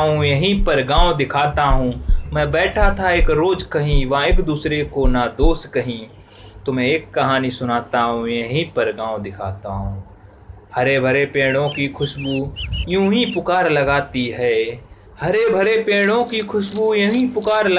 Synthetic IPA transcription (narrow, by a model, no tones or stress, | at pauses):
ɦũjɐɦĩpɐɾɡãːod̪ɪkʰaːt̪aɦũmɛ̃ːbɛːʈʰat̪ʰaeːkɾoːd͡ʒkɐɦĩʋɐɦãeːkd̪uːsɾekonad̪oːskɐɦĩ | t̪omɛ̃eːkːɐɦaːnisʊnaːt̪aɦũjɐɦĩpɐɾɡãːõd̪ɪkʰaːt̪aɦũː | hɐɾebʱɐɾepẽːɽ̃õkikʰʊʃbujũːɦĩpʊkaːɾlɐɡaːt̪iɦɛː | hɐɾebʱɐɾepẽːɽ̃õkikʰʊʃbujɐɦĩpʊkaːɾl